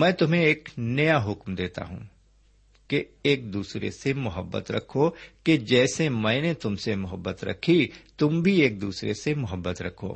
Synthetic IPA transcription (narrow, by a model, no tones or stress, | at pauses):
mɛ̃ːt̪ʊmẽeːknɐjaɦʊkmd̪eːt̪a̰ɦṵ̃ː | ke | eːk̚d̪uːsɾḛsemʊɦəbːə̰t̪ɾɐ̰kʰoked͡ʒɛːsemɛ̃ːnet̪ʊmsemʊɦəbːət̪ɾɐ̰kʰit̪ʊmbʱieːk̚d̪uːsɾesemʊɦəbːət̪ɾɐ̰kʰo̰ː